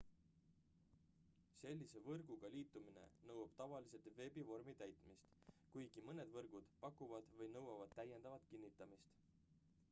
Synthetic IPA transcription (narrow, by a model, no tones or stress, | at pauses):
se̞lʲːise̞vɤrɡ̥uɡ̥ɑliːt̪ːˑumine̞̰nɤwɑb̥t̪ɑvɑlise̞t̪ve̞bivo̞rmit̪æjt̪ˑmist̪kujɡ̥imɤne̞d̪vɤrɡ̥ud̪̥pɑkːˑuvɑd̪̥vɤjnɤwɑvɑd̪̥̚t̪ːæje̞nd̪̥ɑvɑt̪ˑkinːit̪ːˑɑmist̪